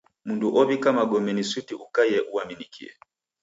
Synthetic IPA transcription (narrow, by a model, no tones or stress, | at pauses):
munduʔɔβikamaɡɔmɛnisutiʔukajɛʔuaminikʰḭɛ̰